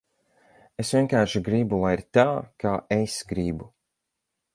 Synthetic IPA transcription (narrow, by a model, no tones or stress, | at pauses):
esvʲiɛnkaːɾʃiɡɾibulajiɾt̪aːkaːʔesɡɾibu